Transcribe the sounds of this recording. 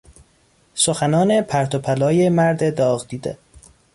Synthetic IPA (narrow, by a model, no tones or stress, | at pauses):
soxænɒːnepʰæɾt̪ʰopʰælɒːjemæɾd̪ed̪ɒːɣd̪iːd̪ḛ